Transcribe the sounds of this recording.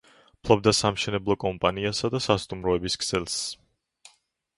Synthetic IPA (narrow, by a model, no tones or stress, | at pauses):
pʰlˠɔb̚d̪asamʃɛnɛblˠɔkʼɔmpʼaniasad̪asast̪ʼumɾɔɛbiskʰʼsɛlˠs